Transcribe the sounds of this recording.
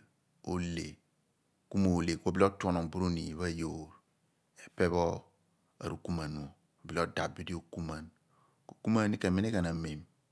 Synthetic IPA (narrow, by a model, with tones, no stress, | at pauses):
o̰˦le˨ | ku˦mo˨le˨ko˨bi˦lo˦to˦no˨bu˦ɾo˦ni˨βa˦jo˨ɾ | e˨pe˦βɔ˦ | a̰˨ɾu˦˨ku˦ma˨nu˨o˨ | bi˨˦lo˦da˨bi˦di˦o˨ku˦ma˨n | ko˨ku˦ma˦ni˦ke˨me˦ne˦ɡa˨na˨me˨m